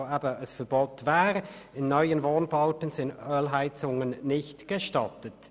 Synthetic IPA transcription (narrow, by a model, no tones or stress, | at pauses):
aːbəəsfɛɐboːtvaːʁɪnːɔʏənvoːnbaʊtən̩zɪndœːlɦaɪt͡sʊŋənnɪçtɡ̥eʃtɑtət